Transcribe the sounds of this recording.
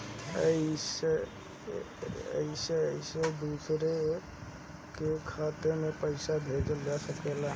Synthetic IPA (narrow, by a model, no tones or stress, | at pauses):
əɪse | ə̰ɪseəɪsed̪uːsɾe | kekʰaːt̪emẽpəɪsabʱed͡ʒlasəkela